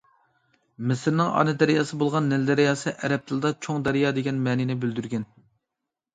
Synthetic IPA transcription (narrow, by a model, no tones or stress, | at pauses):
mɪsɪɾnɪŋɑ̰nɨd̪ɛɾijɑːsɨbolˠʁɑnːɛld̪æɾijɑːsɨʔɛɾɛp̚t̪ʰɨlˠd̪ɑt͡ʃʰoŋd̪ɛɾijɑːd̪eɡʲɛnmɛːnɪnɪbyld̪yɾɡʲɛn